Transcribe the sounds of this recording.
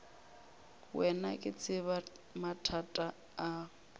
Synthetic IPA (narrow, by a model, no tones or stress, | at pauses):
wɛnakʼɪt͡sʼʰɪβ | matʰatʼaː